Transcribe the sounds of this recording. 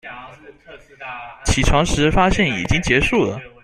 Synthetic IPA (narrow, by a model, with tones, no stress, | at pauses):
t͡ɕʰi˨˩ʈ͡ʂʰɑ˧˥ŋʂɻ̩˧˥fa˥ɕjɛ˥˩nḭ˨˩t͡ɕi˥ŋt͡ɕjɛ˧˥ʂu˥˩lə̰˩